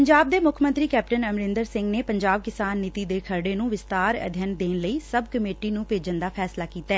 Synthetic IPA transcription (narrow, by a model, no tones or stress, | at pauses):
pəɲd͡ʒaːb̚d̪eːmʊkʰmə̃nt̪ɾiːkɛːp̚ʈənəmɾɪ̃nd̪əɾsɪ̃ŋɡneːpəɲd͡ʒaːb̚kɪsaːnːɪt̪iːd̪eːkʰəɾɖeːnũːʋɪst̪aːɾə̰d̪ʱjənd̪eːnləiːsəbkəmeːʈiːnũːpeːd͡ʒənd̪aːpʰɛːslaːkiːt̪aɛː